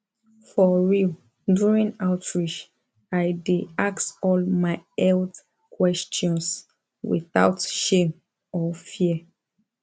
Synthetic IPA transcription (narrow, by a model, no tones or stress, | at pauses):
fɔɹil | djuɹĩnaʊtʰɹiʃ | ajdeaksɔlmaɪɛld | kʰwɛst͡ʃɔ̃ns | wḭθaʊtʃem | ɔfiə